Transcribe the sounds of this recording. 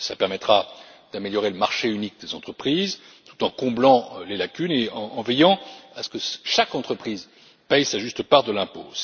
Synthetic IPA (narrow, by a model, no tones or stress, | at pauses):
slapɛʁmɛt̪χa | d̪̥ameljɔʁeləmaʁʃeynik̚d̪ezɑ̃t̪χəpχiːz | t̪u̥t̪ɑ̃kɔ̃blɑ̃lelakʲyneɑ̃ːvɛjɑ̃asə̥kəʃakɑ̃t̪χəpχiːz | pɛjsaʒyst̪əpaʁd̪əlɛ̃po̰